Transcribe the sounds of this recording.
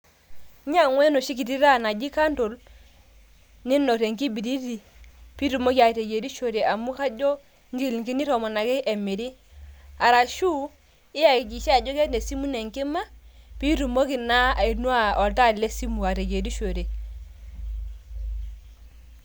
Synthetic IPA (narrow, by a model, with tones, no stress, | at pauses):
ɲa˨ŋwɛ˦no˨ʃi˦ki˨ti˦ɾa˦˨na˨d͡ʒi˦ka˦nto˨l | ni˦no˨ɾe˨ŋki˦bi˨ɾi˦ɾi˨ | pi˦ɾu˨mo˦ki˦a˨te˨ɡe˨ɾi˦ʃo˨ɾe˨a˨mu˦ka˦d͡ʒɔ˦ | ŋ˦ɡi˦lŋki˦ni˦ɾɔ˨mɔ˨na˨ke˦ʔɛ˨mi˨ɾi˦ | a˨ɾa˨ʃu˦ | ɪ˦ja˨i˨d͡ʒi˨ʃe˦a˨d͡ʒo˦kɛ˦tne˨si˦mu˦nɛ˨ŋki˦ma˦pi˦ɾu˨mo˦ki˨na˦a˨i˨nu˦a˦ɔ˨lta˦˨le˦si˦mu˨a˨ɾe˨ɡe˨ɾi˦ʃo˨ɾe˨